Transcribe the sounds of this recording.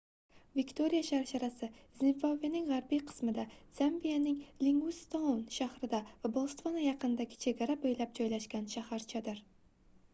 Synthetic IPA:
vɪkʲt̪ʰo̞ɾijaʃaɾʃaɾasɪzɪnvavanɪŋʁaɾbijqʰɨ̥smɪd̪az̥ambijanɪŋlɪŋɡust̪onʃahɾɪd̪avabolˠst̪vonajɑqʰɨnɪd̪aɡʲɪ̥t͡ʃʰe̞ɡʲaɾabojlap̚d͡ʒɒjlaʃkʲanʃahaɾt͡ʃʰad̪ɪɾ

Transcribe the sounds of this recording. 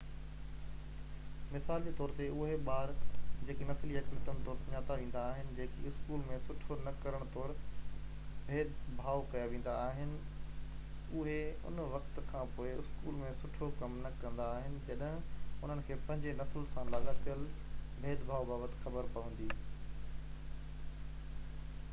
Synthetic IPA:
mɪsaːld͡ʑeːt̪ɔːɾt̪eʊɦeɓaːɾd͡ʑeːkinɐslijɐkmət̪ənt̪ɔːɾsʊɲaːt̪aʋẽːn̆d̪aːɦɪnɪ̆d͡ʑeːkiɪskuːlmẽsʊʈʰonɐkɐɾəɽ̃t̪ɔːɾ | bʱeːd̪bʱaːokɐjaʋẽːn̆d̪aːɦɪnɪ̆ | ʊɦeʊ̰nʋɐkt̪kʰãpoːɪɪskuːlmẽsʊʈʰokɐmnɐkɐ̃nd̪aːɦɪnɪ̆d͡ʑɐɗɦɪ̃ʊn̤ənɪ̆kʰeːpɐ̃ɦɪ̃ɲd͡ʑenɐsəlsãlaːɠat̪ʰijəl | bʱeːd̪bʱaːobaːbət̪ɪ̥xɐbəɾpɐʋə̃nd̪iː

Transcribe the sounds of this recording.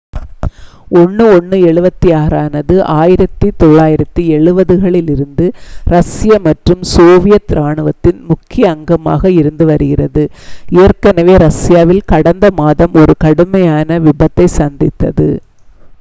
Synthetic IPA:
ɔɳːɯɔɳːɯɛɭɯbɐt̪ːiaːɾaːnɐðɯʔaːjɪɾɐt̪ːit̪ɔɭːaːjɪɾɐt̪ːiɛɭɯbɐðɯɣɐɭɪlɪɾɯnd̪ɯɾɐsɪjɐmɐʈrɯmsoːʋɪjɐt̪ːɾaːɳɯʋɐt̪ːɪnmʊkːɪjɐːŋɡɐma̰ːɣɐɪɾɯnd̪ɯʋɐɾɯɣɪrɐðɯɪjɐrkɐnɐʋeːɾɐsɪjaːʋɪlkɐɽɐnd̪ɐmaːðɐmɔɾɯkɐɽɯmɐjaːnɐʋɪbɐt̪ːɐɪsɐnd̪ɪt̪ːɐ̰ðɯ

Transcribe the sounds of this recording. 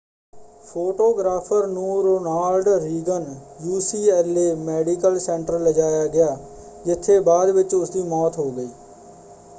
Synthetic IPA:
pʰoːʈoːɡɾaːpʰəɾnũːɾoːnaːlɖɾiːɡənjuːsiːɛːleːmɛːɖiːkəlsɛ̃ɳʈɾəɾləd͡ʒaːjaːɡɪjaː | d͡ʒɪt̪ʰːeːbaːd̪ʋɪt͡ʃʊsd̪iːmɔːt̪ɦoːɡəiː

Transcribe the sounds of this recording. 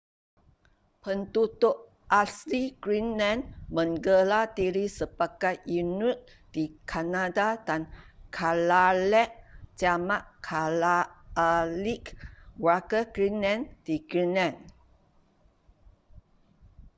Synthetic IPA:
pənt̪ut̪oʔ | ʔasiɡ̥ɹinlãnmə̃ŋɡəlat̪iɾisəbakatjunut̚ | d̥ikʰanadadankʰalalɛʔd͡ʒamaʔkʰalaː | likwakəɡɹinãnd̥iɡɹinãn

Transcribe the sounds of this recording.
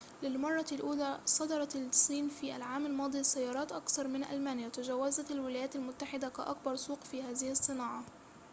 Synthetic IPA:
lɪlmɑrˤːɑlʔuːlaːsˤɑd̪ɑɾˤɑlsˤːiːnfiːʔa̰lʕaːmalmɑːd̪ˤisːajːɑːɾˤɑːt̪ʔɑkθɑɾˤmɪnʔa̰lmaːnɪjat̪ad͡ʒawːazat̪alwɪlaːjaːt̪almʊt̪ːaħɪd̪aka̰ʔa̰kbɑɾˤsˤuːqfiːhaːðɪhɑsˤːɨnɑːʕɑ

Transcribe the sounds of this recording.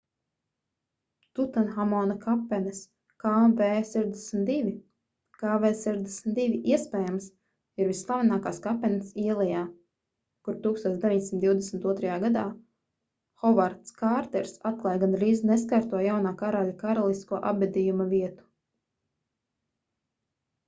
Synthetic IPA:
t̪ut̪anxamɔnɐkʰapɛnɛs | kaːveːsɛʒd̪eɛsm̩ʲt̪d̪ivʲi | kaːvɛːsɛʒd̪esmt̪d̪ivʲiʔiɛspʲɛːjams | iɾvisːlˠavʲinaːkaːskapɛnsiɛlˠijaː | kuɾt̪uːkst̪oɔːd̪evʲiɲd̪ʲsimt̪d̪ʲiwd̪esmt̪uɔt̪ɾɐjaːɡad̪aː | xɔvaɾt̪skaɾt̪ɛɾsat̪̚klˠaːjɡanɾiːzneskaɾt̪uɔjawnaːkaɾaʎʲakaɾalˠist̪kuɔʔabbʲɛd̪ʲijumaviɛt̪u̥

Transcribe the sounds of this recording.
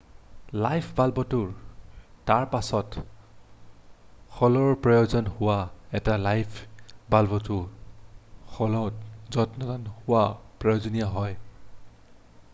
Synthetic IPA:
lajpʰbalbɔtʊɹtaɹpasɔt | xɔlɔɹpɹɔjozɔnhʊwaɛtalajpʰbalbɔtʊ | xɔlɔtzɔtnɔtanhʊwapɹɔjozɔnijaɦɔj

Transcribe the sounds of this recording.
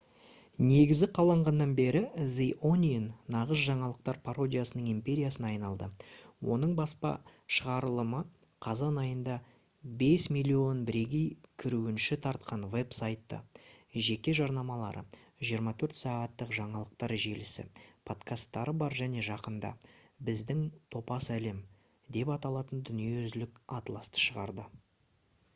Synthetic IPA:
ne̞ɡʲɪzɡʲɪqʰɑlˠɑɴʁɑnːɑnbe̞ɾɪziʔonʲijnːɑʁəzʒɑɴɑlˠəq̚t̪ɑɾpʰaɾo̞dʲijasənəɴimpʲe̞ɾʲijasənɑjnɑlˠd̪əwʔo̞̰nəɴbɑspɑ̰ʃəʁɑɾəlˠəmə | qʰɑzɑnɑjənd̪ɑ | be̞smijlʲːio̞nbɪɾe̞ɡʲejkʲʰʏɾuɪnʃɪt̪ʰɑɾt̪̚qʰɑnve̞psajt̪ːə̰ʒe̞kʲe̞ʒɑɾnɑmɑlˠɑ̰ɾə̰ | ʒijəɾmɑt̪ʰɵɾt̪sɑʁɑt̪ːəqʒɑɴɑlˠəq̚t̪ɑɾʒe̞lɪsɪ̰pʰo̞t̪kʰast̪ːɑɾəbɑɾʒæne̞ʒɑqənd̪ɑ̰bɪzd̪ɪŋt̪ʰo̞pɑsæle̞m | d̪e̞pɑt̪ɑlˠɑt̪ənd̪ʏnijeʏzlɪkɑt̪lˠɑst̪ə̥ʃəʁɑɾd̪ə

